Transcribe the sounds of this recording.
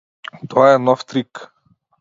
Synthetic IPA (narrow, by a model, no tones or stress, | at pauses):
t̪ɔaɛnɔft̪ɾik